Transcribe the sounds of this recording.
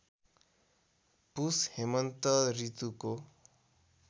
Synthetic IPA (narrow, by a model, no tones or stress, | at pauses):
pushemʌnt̪ʌɾit̪uko